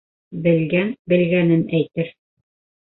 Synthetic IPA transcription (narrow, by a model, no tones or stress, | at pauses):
bɘ̆lɡænbɘ̆lɡænɘnæjt̪ɘɾ